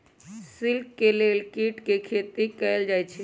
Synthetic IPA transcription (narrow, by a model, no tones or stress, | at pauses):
sɪlkːeleːlkiːʈkekʰeːt̪ikəld͡ʒaːjt͡ʃʰe